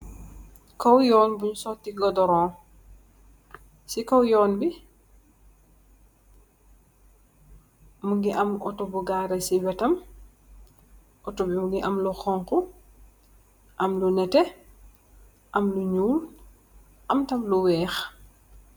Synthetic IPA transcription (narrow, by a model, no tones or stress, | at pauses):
kɔwjɔːnbuɲusɔtːiɡɔdɔɾɔ̃ː | sikɔwjɔːnbi | muŋɡiʔɐmɔtɔbuɡaːɾɐsiwɛtɐm | ɔtɔbimuŋɡiʔɐmlɔxɔŋku | ʔɐmlunɛtɛ | ʔɐmluɲuːl | ʔɐmtɐmluwɛːx